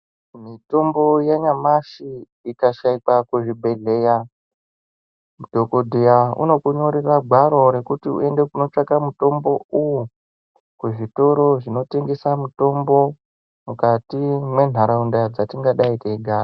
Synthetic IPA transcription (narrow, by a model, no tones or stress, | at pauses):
mito̞mbo̞jaɲamaʃi | ikaʃaikakuʐibʱe̞ɮe̞ːja | mudʱo̞kodʱijaṵno̞kuɲo̞ɾeraɡʱwaɾo̞ɾe̞kutiṵe̞nde̞kuno̞t͡ʂakamuto̞mbo̞uwu | kuʐito̞ɾo̞ʐino̞te̞ŋɡe̞samuto̞mbo̞ | mukatimwe̞n̤aɾaundad͡zatiŋɡaɗaikeiɡʱaːra